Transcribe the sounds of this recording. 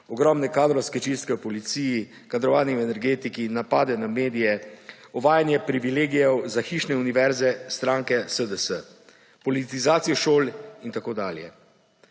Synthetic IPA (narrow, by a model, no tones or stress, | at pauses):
ɔɡɾɔmnɛkaːd̪ɾɔwskɛt͡ʃist̪̚kɛwpɔlit̪siːji | kad̪ɾɔʋaːniuɛnɛɾɡeːt̪ikinapaːd̪ɛnameːd̪ijɛɔʋaːjanjɛpɾiʋileːɡijɛwzaxiːʃnɛuniʋɛɾzɛst̪ɾaːŋkɛsəd̪əsə | pɔlit̪izaːt̪sijɔʃoːlint̪akoːd̪a̰ːljɛ̰